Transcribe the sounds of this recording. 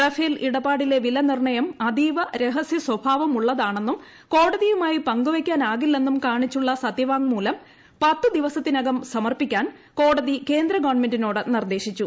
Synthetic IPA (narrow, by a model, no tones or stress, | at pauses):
rɐfeːliɽɐbaːɽile̞ʋilɐnirɳɐjɐmɐd̪iːʋɐɾe̞ɦɐsjɐswɐbʱaːʋɐmuɭːɐðaːɳe̞nːum | ko̞ːɽɐðijumaːjipɐŋɡuʋɐkʲːaːnaːɣilːe̞nːumkaːɳit͡ɕːuɭːɐsɐt̪jɐʋaːŋmuːlɐm | pɐt̪ːɨd̪iʋɐsɐt̪ːinɐɡɐmsɐmɐrpikʲːaːn | ko̞ːɽɐðike̞ːnd̪ɾɐɡɐʋɐɳme̞ndino̞ːɽɨnird̪e̞ːɕit͡ɕːu